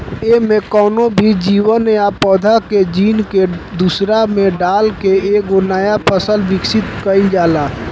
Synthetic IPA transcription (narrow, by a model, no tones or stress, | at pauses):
eːmẽkɔːnõbʱid͡ʒiːwənjapɔːd̪ʱaked͡ʒiːnked̪usɾamẽɖaːlkeeːkɡonajapʰəsəlʋɪksɪt̪kəid͡ʒaːlaː